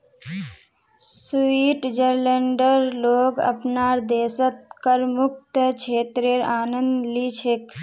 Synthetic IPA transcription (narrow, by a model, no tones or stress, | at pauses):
siːʈd͡ʒəɾləɳɖəɾloːɡə̰pnaːɾd̪eːsət̪̚kəɾmuk̚t̪ət͡ʃʰeːt̪ɾeɾaːnənd̪lit͡ʃʰek